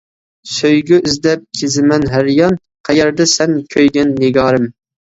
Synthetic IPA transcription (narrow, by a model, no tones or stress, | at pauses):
søjɡʲyyzd̪ɛp̚kʲʰezɪmɛnɦæɾjɑn | qʰɛjɛɾd̪ɛsɛnkʲʰøjɡʲɛnːɪɡɑːɾɨm